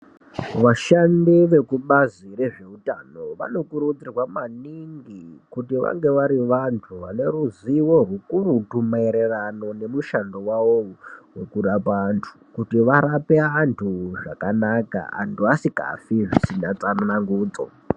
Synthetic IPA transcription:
ʋaʃandiʋe̞kuɓazire̞ʐe̞utano̞ʋa̰no̞kuɾud͡zirwamaniŋɡikutiʋa̰ŋɡe̞ʋaɾiʋantʰuʋane̞ruziworukuɾutumaiɾerano̞ne̞muʃandowawowe̞kuɗapantʰu̥kutiʋaɾape̞antʰuʐakanaka̰a̰ntʰuasika̰fiʐisinat͡sanonaŋɡuːt͡so̰

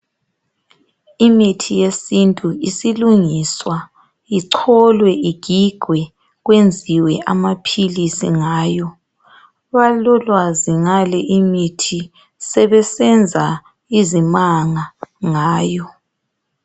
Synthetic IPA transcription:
imitʰijesintʼuisiluŋiswa | iǀʰɔlwɛʔiɡ̥ʱiɡ̥ʱwɛ | ɣwend͡zʱiwɛʔamapʰilisḭŋaːjɔ | βalɔlwaziŋalɛʔimitʰi | sɛβɛsɛnd͡zʱa | izimaŋaŋaːjɔ

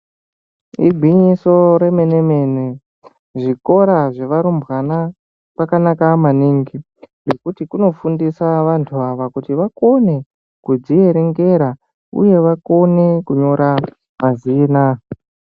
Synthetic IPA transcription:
ḭɡʱiɲiso̞ɾe̞me̞neme̞nwe | ʐiko̞ɾaʐe̞ʋaɾumbɣana | kakanakamaniŋɡi | nre̞kutikuno̞fundisaʋantʰuaʋakutiʋako̞ne̞ | kud͡zije̞ɾeŋɡe̞ɾa | ṵje̞ʋako̞ne̞kuɲo̞ɾa | maziːna

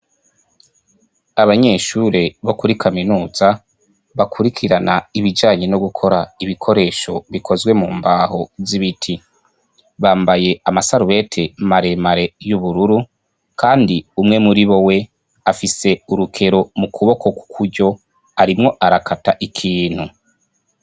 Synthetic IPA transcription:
aβaɲe̞ːʃuɾe̞βokuɾikʰaminuːz̥a | βakʰuɾikʰiɾanaiβid͡ʒaːɲe̞no̞ɡukʰo̞ɾaiβikʰo̞ɾe̞ːʃo̞βikʰo̞zwe̞muːmbaːho̞ziβitʰi | βaːmbaje̞amasaɾuβe̞tʰemaɾe̞maɾe̞juβuɾuɾu | kaːndiumŋe̞muɾiβo̞we̞ | afise̞uɾukʰe̞ɾo̞mukʰuβo̞kʰo̞ku̥kʰuɾɟo̞ | aɾimŋo̞ʔaɾakʰataʔikʰiːn̥hu

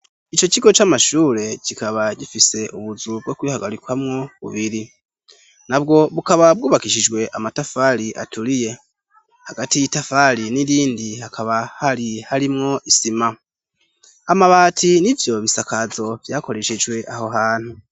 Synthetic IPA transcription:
it͡ʃo̞ciɡo̞t͡ʃamaʃuːɾe̞cikaβaɟifise̞ʔuβuzubɡo̞kwiːhaɡaɾikwamŋo̞βṵβiɾi | nabɡo̞βukaβabɡuːβakiʃid͡ʒɡwe̞ʔamatafaɾiʔa̰tuɾije̞ | haɡatijitafaɾiniɾiːndihakʰaβahaɾihaɾimŋo̞ʔisima | amaβaːtʰinivjo̞βisakazo̞vjaːko̞ɾe̞ʃed͡ʒwe̞ʔaho̞ɦaːn̥hu

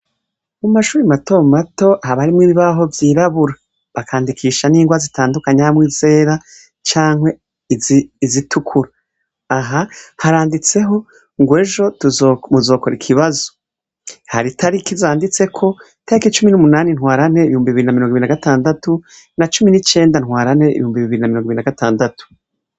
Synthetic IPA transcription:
mumaʃuːɾimato̞mato̞haβaɾimŋiːβiβaɦo̞vjiːɾaβuɾa | βakʰaːndikʰiːʃaniːŋɡwazitaːndukaɲamwiːze̞ːɾa | t͡ʃaːŋhwe̞ | izitʰukʰuɾaː | ɦahaɾaːndit͡se̞ɦo̞ | ŋɡwe̞ːʒo̞tuzomuzo̞ːkoɾikʰiβazo̞ | haɾitʰaɾikizaːndit͡se̞kʰo̞ | taɾikit͡ʃuminumunaːninhwaːɾane̞iβihuːmbiβiɾinamiɾoŋɡiɾinaɡataːndatu | nat͡ʃuminit͡ʃe̞ːndanhwaːɾane̞ḭβḭhuːmbiβiβiɾinamiɾoŋɡinaɡatʰaːndatu̥

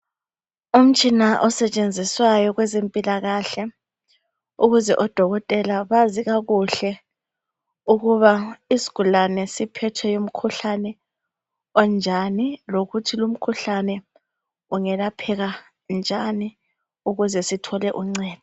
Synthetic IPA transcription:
um̩t͡ʃʼinaʔɔsɛt͡ʃʼend͡zʱiswajɔɣwɛzempʼilaɣaɬɛ | uɣuzɛʔɔd̥ʱɔɣɔtʼɛlaβaziɣaɣuɬɛ | uɣuβaisi̥ɣ̥ulanɛsipʰɛtʰɛjom̩kʰuɬanɛ | ɔnd͡ʒʱaniloɣutʰilum̩kʰuɬanɛ | uŋɛlapʰɛɣa | nd͡ʒʱani | uɣuzɛsitʰɔlɛʔuŋ͡ǀɛːti

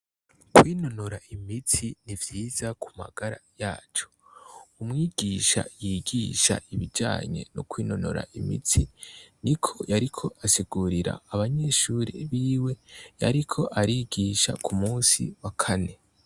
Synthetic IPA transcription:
kwiːno̞noɾaimit͡sinivjiːzaku̥ma̰ɡ̥aɾa̰jaːt͡ʃo̞̥umŋiːɡiʃa̰jiːɡiʃa̰ʔiβid͡ʒa̰ːɲe̞̰no̰kwiːno̞no̰ɾa̰ʔimḭt͡sinikʰo̞jaɾikʰo̞asiɡ̥uɾiɾa̰ːβaɲe̞ʃuɾḭβiːwe̞jaɾikʰo̞ʔaɾiɡiːʃa̰kʰumuːsḭwakʰane̞

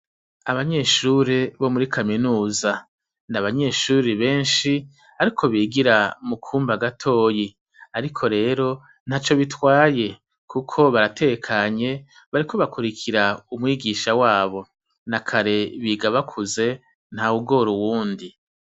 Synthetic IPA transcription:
aβaɲe̞ʃuɾeβo̞muɾikʰaminuːza | naβaɲe̞ːʃuːɾiβe̞ːnʃi | aɾikʰo̞βiːɡiɾamukʰuːmbaɡatʰo̞ːji | aɾikʰo̞ɾe̞ːɾo̞ | n̥hat͡ʃo̞βitwaːje̞ | kukʰo̞βaɾate̞ɡekʰaɲe̞ | βaɾikʰo̞βakuɾikʰiɾaumŋiːɡiːʃawaːβo̞ | nakʰaɾe̞βiːɡaβakʰuze̞ | n̥hauɡo̞ɾuwuːndi

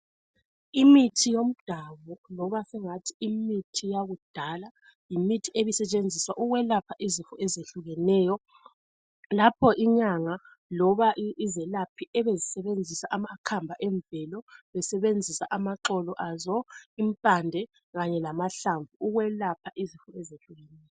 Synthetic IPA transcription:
imitʰijom̩d̥ʱaβɔlɔβasɛŋatʰiimitʰijaɣud̥ʱala | jimitʰieβisɛt͡ʃʼend͡zʱiswaʔuɣwɛlapʰaʔizifɔɛzeɬuɣɛnɛːjɔ | lapʰɔʔiɲaŋa | lɔβaʔizɛlapʰiɛβezisɛβend͡zʱisaʔamakʰambʱaʔɛɱvɛlɔβɛsɛβend͡zʱisaʔamaǁɔlɔʔazɔimpʼandʱɛ | ɣaɲɛlamaɬaɱvuuɣwɛlapʰaʔizifɔɛzeɬuɣɛnɛjɔ

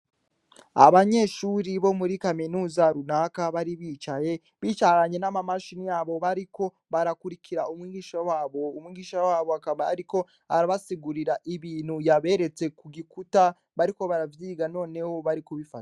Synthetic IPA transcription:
a̰βaɲe̞ːʃuːɾiβo̞muɾikaminuːzaɾunakaβaɾiβiːt͡ʃaje̞ | βiːt͡ʃaɾaɲe̞namamaʃinijaːβo̞βaɾiko̞ | βaɾakuɾikʰiɾaumŋiːɡiːʃawaːβo̞umŋiːɡiːʃawaːβoakaβa̰ːɾiko̞ | haɾaβasiɡuɾiɾaʔiβiːn̥hujaβe̞ɾe̞t͡se̞kuɡikuta | βaɾiko̞βaɾavjiːɡano̞ːne̞wo̞βaɾikuβifatḁ

